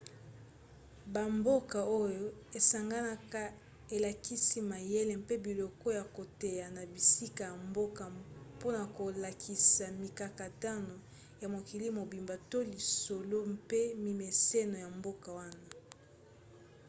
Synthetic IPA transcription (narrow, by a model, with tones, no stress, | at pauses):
ba˨mbo˦ka˨o˦jo˦e˨sa˨ŋɡa˦na˦ka˦ | e˨la˨ki˦si˦ma˨je˦le˨m˦pe˦bi˨lɔ˨kɔ˦ja˨ko˨te˨ja˨na˨bi˨si˦ka˨ja˨mbo˦ka˨po˦na˨ko˨la˨kʰi˨sa˨mi˨ka˨ka˨ta˦no˨ | ja˨mo˨ki˨li˦mo˨bi˨mba˨to˦li˨so˨lo˦mpe˦mi˨me˨se˦no˨ja˨mbo˦ka˨wa˦na˦˨